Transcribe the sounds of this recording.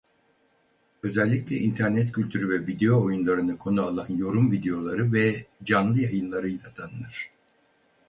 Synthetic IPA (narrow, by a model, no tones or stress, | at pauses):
ø̞zɛlʲːiclʲɛʔint̪ʰæɾnɛt̪cʰylʲt̪ʰyɾyvɛvid̪ejo̞ːjunlˠaɾɯnɯkʰo̞nualˠanjo̞ɾumvid̪ejo̞lˠaɾɯvɛd͡ʒanlˠɯjajɯnlˠaɾɯjlʲat̪ʰanɯnɯɾ̥